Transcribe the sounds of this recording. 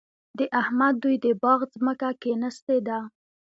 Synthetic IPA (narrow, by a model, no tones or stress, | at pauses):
d̪əʔahmad̪̚ːujd̪əbɑɣzməkakenəst̪ed̪a